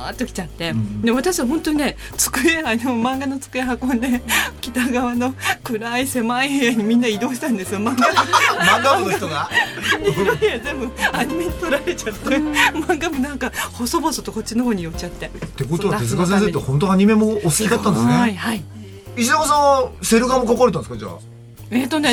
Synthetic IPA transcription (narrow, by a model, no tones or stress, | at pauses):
a̰ːt̪ːokʲi̥t͡ɕat̪ːe̞d̪e̞βat̪aɕiβaɦõnt̪oɲine̞ | t͡sɨ̥kɯ̟eanomãŋɡano̞t͡sɨ̥kɯ̟eɦakod̪e̞kʲi̥t̪aɡaβano̞kɯ̟ɾaise̞maiheejaɲ̟imʲĩnːaid̪o̞ːɕi̥t̪ãnd̪e̞sɨjo̞mãŋɡamãŋɡaonoɡat̪oɡaɲiɾoejazẽ̞mbɯ̟aɲime̞ɲit̪oɾaɾe̞t͡ɕat̪ːemãŋɡamonãŋkahosobosot̪oko̞t͡ɕːino̞ɦo̞ːɲ̟ijo̞t͡ɕt͡ɕːat̪ːe̞t̪ːekot̪oaez̬ɨɡazẽs̬et̪ːehõ̞nt̪oaɲ̟ime̞moːsɨ̥kʲiɡ̪at̪ːãnd̪esneaihai | iɕinamosanse̞ɾɯɡamokakoɾet̪ãneskad͡ʑa̰β̰a̰ | et̪o̞ne